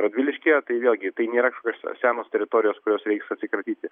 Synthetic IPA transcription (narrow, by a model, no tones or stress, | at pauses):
ɾɐd̪ʲʋʲilʲɪʃʲkʲiɛt̪ɐɪʋʲeːlˠɡʲɪt̪ɐɪnʲeːɾɐkɐʃkokʲoːssʲæːnoːst̪ʲɛɾʲɪt̪oːɾʲɪjoːskʊɾʲoːsɾʲɛɪksɐtʲsʲɪkɐɾʲt̪ʲiːt̪ʲɪ